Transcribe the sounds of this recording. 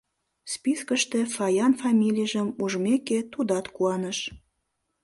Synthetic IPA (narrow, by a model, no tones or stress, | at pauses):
spiskəʃt̪efɑjɑnfɑmʲilʲijʒəmuʒmeket̪ud̪ɑt̪kuɑnəʃ